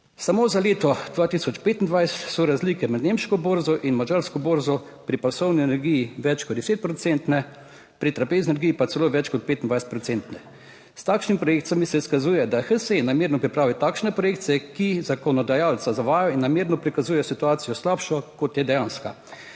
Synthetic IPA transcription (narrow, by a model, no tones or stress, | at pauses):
samozaleːt̪ɔd̪ʋaːt̪isɔt͡ʃpeːt̪ind̪ʋajsɛ̥t̪sɔɾazlikɛmɛd̪nemʃkɔboːɾzɔʔinmad͡ʒaɾskɔboːɾzɔ | pɾipasɔwniɛnɛɾɡijiʋɛt͡ʃkɔd̪d̪ɛseːt̪̚pɾɔt͡s̪ɛnt̪nɛ | pɾit̪ɾapezninɛɾɡijipasɛloːʋɛt͡ʃkɔt̪̚peːt̪ind̪ʋajsɛ̥t̪pɾɔt̪sent̪nɛ | st̪aːkʃnimipɾɔjekt̪samisɛskazuːjɛd̪axəsenameːɾnɔpɾipɾaːʋit̪aːkʃnɛpɾɔjeːk̚t̪sɛkizakɔnɔd̪ajalt͡s̪azaʋaːjɔinːameːɾnɔpɾikazuːjɛsit̪uaːt̪sijɔslapʃɔkɔt̪jɛd̪ɛjãnska